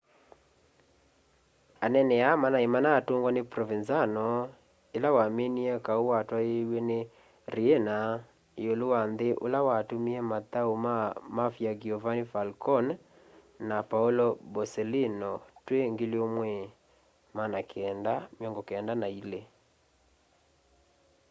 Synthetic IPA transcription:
anɛnɛamanaemanaːtoːŋɡwanepɾɔvinzanɔ | elawameniɛkaowatwaewɛne | ɾiena | eolowanðeʔo̰lawatomiɛmataomamafjaɡiɔvanifalkɔn | napaulɔbɔsɛlinɔtweŋɡeleomwɛ | manakeɛndameɔŋɡɔkeɛndanaile

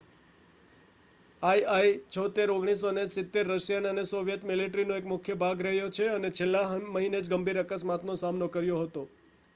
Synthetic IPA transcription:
ajajt͡ʃʰɔt̪eɾoɡɽ̃isonesɪt̪ːeɾːəʃjanənesoʋjət̪mɪliʈɾinoekmʊkʰjəbʱaɡɾəɦjot͡ʃʰeənet͡ʃʰelːãməɦined͡ʒɡəmbʱiɾəkəsmat̪nosamnokəɾjoɦət̪o

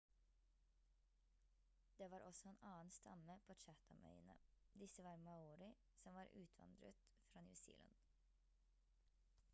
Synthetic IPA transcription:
d̪̥eːʋɑːɾʔɔsɔeːnʔɑːn̩st̪ʰɑ̰məpʰoːt͡ʃæt̪ʰɑmʔœ̰ʏənə̰ | d̪ɪsəʋɑːɾmɑuːɾɪ | sɔmʋɑːɾʔʉ̰ːt̪ʰʋɑ̰nd̪ɾə̰t̪ | fɾɑːnjʉ̰sḭːlʔə̰n

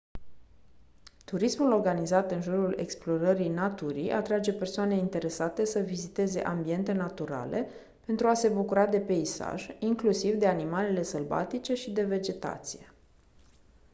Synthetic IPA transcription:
t̪uɾismulo̞rɡanizat̪ɨnʒuɾule̞̰ksplo̞ɾəɾijnat̪uɾḭjʔat̪ɾad͡ʒe̞pe̞rsoane̞int̪e̞ɾe̞sat̪e̞səvizit̪e̞ze̞̰ʔambie̞nt̪e̞nat̪uɾa̰le̞ | pe̞nt̪ɾuase̞bukuɾad̪e̞pe̞isa̰ʒiŋklusivd̪e̞animale̞le̞səlba̰t̪it͡ʃe̞ʃid̪e̞ve̞d͡ʒe̞t̪a̰t̪sije̞

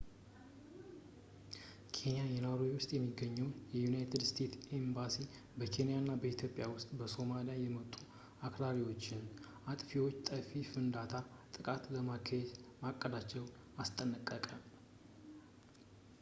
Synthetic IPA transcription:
kʰe̞nijajɛnaɾowʊst̪ʼjɛmːiɡəɲːɛwnjɛjunajt̪ʰɨd̪st̪ʰe̞t̪embasi | bəkʰe̞nijanːabəit̪ʰjo̞pʼjawʊst̪ʼbəso̞malijajɛmət̪ʼːu | akɾaɾiwo̞t͡ʃːɪn | at̪ʼfiwot͡ʃːt̪ʼəfifɨnd̪at̪ʰa | t̪ʼɨkʼat̪ləmakʰːəzmakʼːəd̪at͡ʃːɛwn | ast̪ʼənəkʼːəkʼal

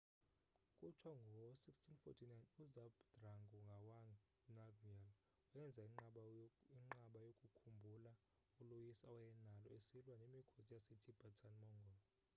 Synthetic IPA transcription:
kʼut͡ʃʰwaŋɡʱɔsikstʰʼinfo̰tʰinajnuzabdraŋɡuŋɡʱawaŋ | navial | ujɛnd͡zʱaiŋ͡ǃaiŋ͡ǃaɓajokʼukʰumbʱula | ulujisaɔjɛnalɔesilwanemikʰozijasetʰʼib̥ʱatʰanmɔŋɡʱɔl

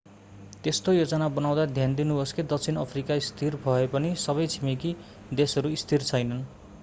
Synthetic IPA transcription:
t̪est̪ojod͡zʌnabʌnaw̃d̪ad̪ʱjand̪inuɦosked̪ʌk̚t͡sʰinʌpʰrikaist̪ʰirbʱʌepʌnisʌβʌjt͡sʰimiki | d̪esʌɾuist̪ʰirt͡sʰʌjnʌn

